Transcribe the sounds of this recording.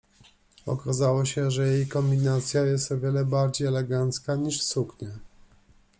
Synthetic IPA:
ɔ̰kazawɔɕɛʐɛjejkɔmbʲinat̪sʲjajɛst̪ɔvʲjɛlɛbaɾd͡ʑejɛlɛɡant̪skaɲiʂsukɲɛ

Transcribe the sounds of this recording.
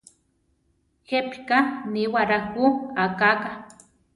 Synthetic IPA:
xepkaniwaɾakuakaka

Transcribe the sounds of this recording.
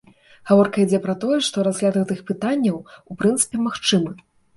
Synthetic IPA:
ɣavɔrkɐid͡zʲɛpɾɐt̪ɔjɛʂt̪ɔɾazɣlʲad̪ɣɛt̪ɨxpɨt̪anʲːɐwupɾɨnt̪sɨ̥pʲɛmaxt͡ʂɨmɨ

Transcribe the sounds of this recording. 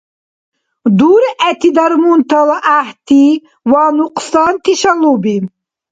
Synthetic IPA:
d̪uːɾʔæt̪id̪ɐɾmunt̪ɐlʔaht̪i | waːnuqsɑːnt̪iʃɐlubin

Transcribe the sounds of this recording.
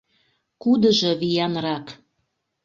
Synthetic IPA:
kud̪ə̆ʒɤ̆βijɑnrɑk

